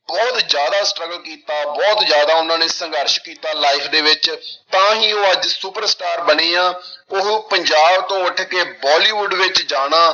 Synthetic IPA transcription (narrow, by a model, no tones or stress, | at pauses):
bɔːt̪zjaːd̪aːsʈɾəɡəlkiːt̪aːbɔːt̪zjaːd̪aːʊnãːneːsəŋɡəɾʃkiːt̪aːlaːɪpʰd̪eːʋɪt͡ʃt̪ãːɦiːoːəd͡ʒsuːpəɾsʈaːɾbəɽeːãːʊpəɲd͡ʒaːbt̪õːʊʈʰkeːbɔːliːʋʊɖʋɪt͡ʃd͡ʒaːɽ̃aː